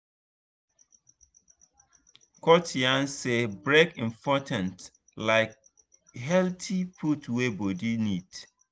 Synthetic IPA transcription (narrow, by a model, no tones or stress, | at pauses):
kʰɔtʰiãnsebɹekĩmpʰɔtʰãnt | laɪk̚ | ɦɛltʰipʰutwebodinid